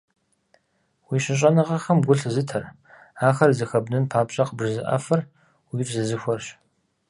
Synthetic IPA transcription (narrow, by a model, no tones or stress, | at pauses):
wiːɕɪɕʼɐnɐʁɐxɐmɡʷʊɬzɨtʰɐr | aːxɐrzɨxɐbnɨnpʰaːpɕʼɐqəbʐɨzɨʔɐ̰fɐr | wiːfzɨzɨxʷɔrɕ